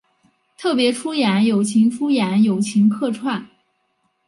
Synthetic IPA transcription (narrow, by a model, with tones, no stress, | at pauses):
t̪ʰɤ˥˩pjɛ˧˥ʈ͡ʂʰu˥jɛ˧˥njo˨˩ʊt͡ɕʰi˧˥ŋʈ͡ʂʰu˥jɛ˧˥njo˨˩ʊt͡ɕʰi˧˥ŋkʰɤ˥˧ʈ͡ʂʰwa˥˩n